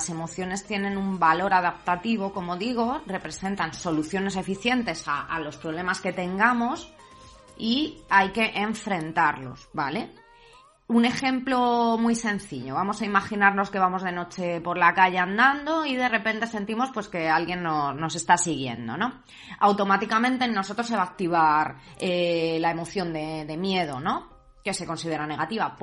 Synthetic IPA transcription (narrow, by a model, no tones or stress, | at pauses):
se̞mo̞θjone̞st̪je̞nẽ̞numbalo̞ɾað̞ap̚t̪at̪iβ̞o̞ko̞mo̞ðiɣ̞o̞re̞pɾe̞se̞nt̪anso̞luθjo̞ne̞s̬e̞fiθje̞nt̪e̞saalo̞spɾo̞β̞le̞maske̞t̪e̞ŋɡamo̞s | iajke̞ʔeɱfɾe̞nt̪aɾlo̞̰sbale̞ | une̞xe̞mplo̞mwjsẽ̞n̟θiʎo̞βamo̞saimaxinaɾno̞ske̞β̞amo̞zð̞e̞no̞t͡ʃe̞po̞ɾlakaʎe̞and̪and̪o̞iðe̞re̞pe̞nt̪e̞se̞nt̪imo̞spwe̞ske̞alɣje̞nːo̞sno̞s̬e̞st̪asiɣ̞je̞̰nd̪o̞̰no̞ | awt̪o̞mat̪ikamẽ̞nt̪e̞no̞so̞t̪ɾos̬eβaːk̚t̪iβaɾ | elae̞mo̞θjo̞nd̪e̞ðe̞mje̞ð̞o̞no̞ | ke̞se̞ko̞nsið̞e̞ɾane̞ɣat̪iβap